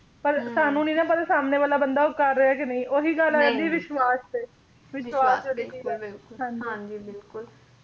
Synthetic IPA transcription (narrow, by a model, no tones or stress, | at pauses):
pəɾsaːnũːnĩːnãːpəɾsaːmneːʋaːlaːbənd̪aːʊkːəɾːeaːkɪnəĩːʔoːɦiːɡəlaːãnd̪iːʋɪʃwaːsɛː | ʋɪʃwaːsed̪iiːɪlɦãːɲd͡ʒiãd͡ʒiːbɪlkʊl